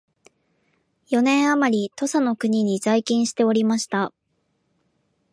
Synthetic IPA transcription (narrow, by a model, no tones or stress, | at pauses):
jo̞nẽ̞ɰ̃amaɾʲit̪o̞sano̞kɯ̟ɲ̟iɲ̟izaikʲĩɰ̃ɕi̥t̪e̞o̞ɾʲimaɕi̥t̪a